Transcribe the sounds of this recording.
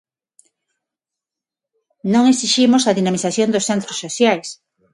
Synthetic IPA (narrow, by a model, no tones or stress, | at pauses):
nõŋesiʃimosaðinamiθaθjõnd̪osθent̪ɾosːoθjajs